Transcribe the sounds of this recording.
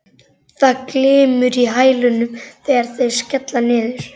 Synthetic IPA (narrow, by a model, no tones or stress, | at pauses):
θaðklɪːmʏɾiɦaːjlʏnʏmθɛːɣaɾ̥θeðscɛt̪lanɪːðʏɾ̥